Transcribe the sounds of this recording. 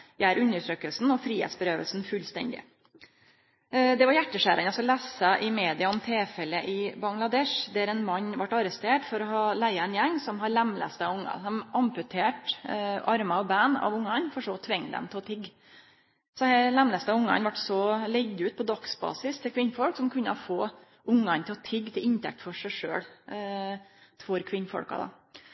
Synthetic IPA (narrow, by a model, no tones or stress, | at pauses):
jæːɾʉnːəʈʰɾøːkəlsn̩ɔfɾiːhḛːt̪sbəɾøːʋəlsn̩fʉlst̪ɛ̰nd̪ɪ̰ | d̪ɛʋɑɾjæʈːəʂæːɾʔənɑsɔlæsɑʔɪmeːd̪ɪɑɔmt̪ʰeːfɛlːəʔɪbɑŋlɑd̪ɛʂd̪æɾɛnmɑɲːʋɑʈːɑɾəst̪eːʈfɔɾɔɦɑːlæɪəɛnjɛŋːsɔmɦɑɾlæmlɛ̰st̪əɑʊŋːɑ̰sɔmʔɑmpʉt̪ʰeːʈɑɾmɑɔbænɑ̰ʋʊŋːɑnfɔʂɔːt̪ʰʋɛŋːd̪ɛ̰mt̪ʰɪlɔt̪ʰɪɡː | sɔɛlɛmlɛst̪əɑʋʊŋːɑ̰nʋɑʈːsɔlɛɡd̪ʉːt̪̚pʰɔd̪ɑksbɑ̰ːsɪst̪ʰɪlkʰʋɪnːfɔlksɔmkʰʉnːə̰ɔfoː | ʊŋːɑnt̪ʰɪlɔt̪ʰɪɡːt̪ʰɪlɪnt̪ʰɛ̰k̚t̪fɔʂæɪʂø̰ːɽ | fɔɾkʰʋɪnːfɔ̰lkɑ̰d̪ɑ̰